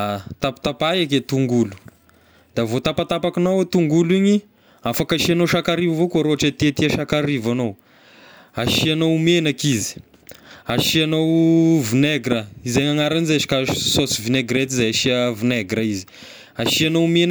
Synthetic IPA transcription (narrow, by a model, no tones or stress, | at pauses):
at̪apḁt̪apajaket̪uŋɡulu̥ | d̪avot̪apat̪apakinawet̪uŋɡuliɲi | afakaʃianoʃakaɾivavokoaɾoaʈ͡ʂət̪et̪iaʃakaɾivano | aʃianowmenakizi̥ | aʃianowvineɡɾəizeɲaŋaɾanzeʃi̥kasosivineɡɾet̪izajaʃiəvineɡɾəizi̥ | aʃianowmen